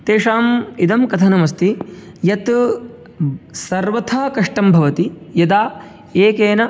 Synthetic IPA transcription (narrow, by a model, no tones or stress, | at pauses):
t̪eːʂaːmid̪ɐmkɐt̪ʰɐnɐmɐst̪i | jɐt̪ | sɐɾʋɐt̪ʰaːkɐʂʈɐmbʱɐʋɐt̪ijɐd̪aː | eːkeːnɐ